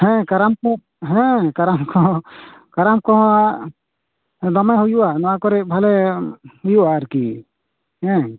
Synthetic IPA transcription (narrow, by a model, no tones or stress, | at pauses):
hɛ̃kaɾamkɔ | ɦɛ̃kaɾamkɔɦɔ̃kaɾamkɔɦɔa | d̪ɔmaɦujuʔanɔwakɔɾɛbʱalɛhujuʔaːɾkḭ | hɛ̃